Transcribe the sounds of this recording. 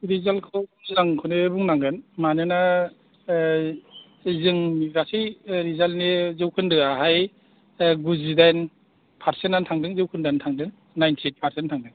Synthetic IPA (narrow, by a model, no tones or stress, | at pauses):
ɾizalkʰɯwzɯnaŋkʰɯnebuŋnaŋɡɯnmanɯna | zɯŋmiɡɾasijɾizalnezɯwkʰɯndɯaɦaj | ɡuzidajn | pʰaɾsenantʰaŋdɯŋzɯwkʰɯndɯantʰaŋdɯŋ | najntʰietpʰaɾsentʰaŋdɯŋ